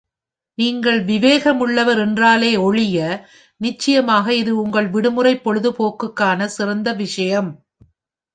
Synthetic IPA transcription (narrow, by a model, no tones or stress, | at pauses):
niːŋɡɐɭʋɪʋeːɣɐmɯɭːɐʋɐɾɛndraːleːɔɻɪjɐ | nɪt͡ʃːɐjɐmaːɣɐɪðɯʊŋɡɐɭʋɪɽɯmɯrɐɪpːɔɻɯðɯpoːkːɯkːaːnɐsɪɾɐnd̪ɐʋɪʂɐjɐm